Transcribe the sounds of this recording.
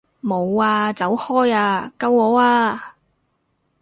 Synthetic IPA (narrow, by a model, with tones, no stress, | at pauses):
mo˨˧waː˧t͡sɐ˨˥whɔː˥jaː˧kɐ˧wɔː˨˥aː˧